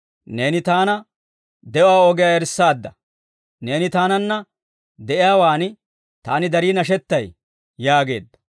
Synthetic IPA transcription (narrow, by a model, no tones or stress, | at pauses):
ne̞ːnɪt̪aːnɐ | d̪ɛʔaːoɡɪjaːɛɾsːaːd̪ːɐ | ne̞ːnɪt̪aːnɐnːɐ | d̪ɛʔɪjaːwaːnɪ | t̪a̰ːnɪd̪ɐɾiːnɐʃ̬ɛt̪ːɐj | jaːɡe̞̰ːd̪ːɐ̥